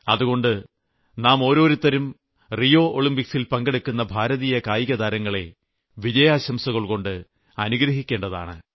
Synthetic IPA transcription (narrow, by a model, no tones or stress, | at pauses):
ɐðuɣo̞ɳɖɨ | naːmo̞ːɾo̞ːɾut̪ːɐɾum | rijo̞ːʔoɭimpiksilpɐŋɡeɽukːunːɐbʱaːɾɐðijɐkaːjiɣɐd̪aːɾɐŋːɐɭe̞̰ | ʋid͡ʑɐjaːɕɐmsɐɣɐɭko̞ɳɖɨ | ɐnuɡɾɐɦikʲːe̞ːɳɖɐða̰ːɳɨ